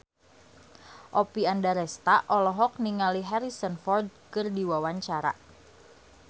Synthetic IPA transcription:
ʔopiandaɾɛst̪aʔɔlɔɦɔk̚niŋaliɦɛɾisənfɔrd̚kɨrdiwawaɲt͡ʃaɾa̰

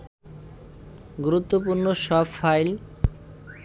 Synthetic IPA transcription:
ɡuɾut̪ːopuɾnoʃɔbfajl

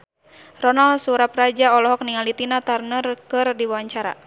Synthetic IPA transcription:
rɔnalsuɾaprad͡ʒaɔlɔɦɔk̚niŋalit̪inat̪arnərkɨrdiwwaɲt͡ʃaɾa̰

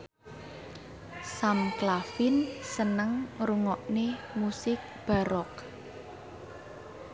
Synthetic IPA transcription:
samklafɪnsənəŋɾuŋɔʔnemusɪk̚b̥a̤ɾɔk

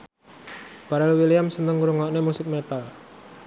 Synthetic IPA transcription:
b̥aɾɛlwilijamsənt̪əŋuɾuŋɔʔnemusɪk̚met̪al

